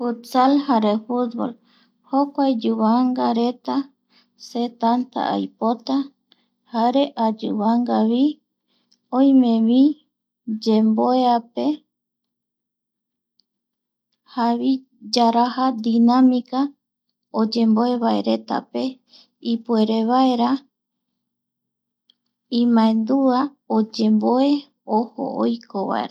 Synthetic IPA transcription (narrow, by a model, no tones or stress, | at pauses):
fut̪salhaɾefut̪̚bo̰l | hokʷajd͡ʒuβaŋɡaɾe̞t̪a | set̪ant̪a̰a̰jpot̪a | haɾe̞ʔad͡ʒṵβaŋɡaβi | õj̃mẽβi | d͡ʒemboeape̞ | haβi | d͡ʒaɾahad̪inãmika | od͡ʒe̞mbo̞e̞βaeɾe̞t̪a̰pe̞ | ipue̞ɾe̞βae̞ɾa | ĩmãẽnd̪ua | od͡ʒẽ̞mboe̞ | oho̰o̰jkʰoβa̰ḛɾ